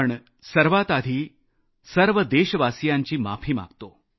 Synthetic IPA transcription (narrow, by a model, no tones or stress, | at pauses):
ɳ | səɾʋat̪ad̪ʱiː | səɾʋəd̪eɕəʋasjaɲt͡ɕiːma̰pʰiːma̰ɡt̪o